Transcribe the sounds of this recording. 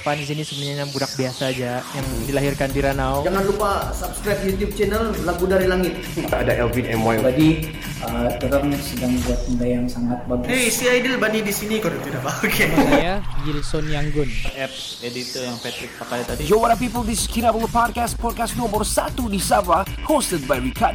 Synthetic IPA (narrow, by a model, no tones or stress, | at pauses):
pandis̬inisəmuaɲaɲabuɾak̚biasaːd͡ʒajaŋdilaɦirkandiɾanawd͡ʒaŋanlupasapskɾajp̚jut̪jup̚t͡ʃɛnəllaɡudaɾilaŋɪt̪̚aadaʔɛlvidɛmajt̪adi | ət̪əɾənsədaŋbiat̪̚ndajaŋsaŋat̪̚baɡuesiajdilbanidisinikodut̪iɾabaokʰejaɡilsɔnjaŋɡʊnʔɛp̚ | edit̪ɔjaŋpɛt̪ɾɪk̚pakalat̪adid͡ʒowaɾapipəldiskʰiɾabəlpɔd̚kast̚pɔd̚kast̚nɔmərsat̪udisavahostəd̚bajɹikad